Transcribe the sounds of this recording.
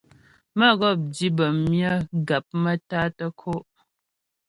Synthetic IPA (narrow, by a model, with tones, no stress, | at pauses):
mə˦ɣɔ˦˨p̚di˦bə˨mmjə˦ɡa˨p̚mə˦ta˦tə˦kʰo˦ʔ